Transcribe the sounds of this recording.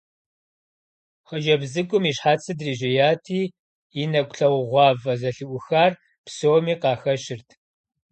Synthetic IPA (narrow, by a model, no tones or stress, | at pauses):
χəd͡ʒɐbzɨkʷʼʊmiːɕħaːt͡sʰɨdriːʒɐjaːtʰiː | inɐkʷʊɬɐwʁʷɑːvɐzɐɬɨʔʷʊxaːr | psoːmiːqɑːxɐɕɪrtʰ